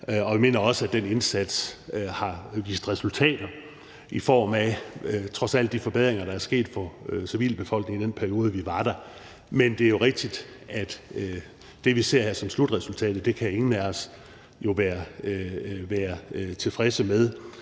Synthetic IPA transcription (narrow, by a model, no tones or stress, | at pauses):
ɒ̽ʋime̝̰ːnɐɒ̽səæd̥ene̝nsæd̥shɑ̈ʋḭːsd̥ʁɛsult͡sʰɛ̰ːd̥ɐ | ifɒ̰ːmæt͡sʰʁɒ̽sæl̰d̥ːifɒ̽be̝ðˠʁeŋɐɾɑ̈æɐsɡ̥e̝̰ːd̥fɒ̽siʋḭːlb̥e̝fɒ̽l̰ɡ̥ne̝ŋid̥enpʰæɐio̝ːð̞ˠəʋiʋɑ̈ɾ̥æ | mend̥e̝æɐjo̝ʁeɡ̥̚d̥id̥ | æd̥ː | e̝ʋise̝ɐ̰hæɐsɒ̽mslud̥ʁɛsult͡sʰɛ̰ːd̥ð̩ˠd̥e̝kʰæe̝ŋn̩æɒs | jo̝ʋæːɐ | ʋæːɐt͡sʰe̝lfʁɛsəmeðˠ